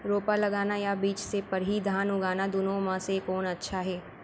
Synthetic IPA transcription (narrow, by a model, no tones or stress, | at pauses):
ɾoːpalɐɡaːnajabiːt͡ʃsepɐɾɦid̪ʱaːnʊɡaːnad̪ʊnõmãsekɔːnɐtːʃʰaɦɛː